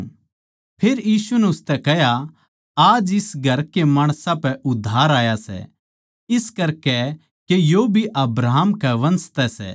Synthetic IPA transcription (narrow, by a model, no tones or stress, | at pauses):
pʰeːɾjiːsunɛʊst̪ɛkɛɦja | aːd͡ʒɪsɡʱɐɾkemaːɽ̃sãpɛʔʊd̪ʱːaːɾaːjasɛ̰ | ɪskɐɾkɛ | kejobʱiʔɐbɾaːɦmkɛʋɐ̃nst̪ɛsɛ̰